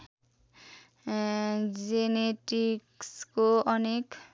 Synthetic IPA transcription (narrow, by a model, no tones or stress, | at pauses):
d͡zeneʈikskoʌnek